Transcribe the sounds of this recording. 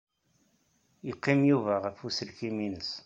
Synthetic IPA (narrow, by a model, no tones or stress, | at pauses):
jəqːimjuvæʁəfusəlkiminəs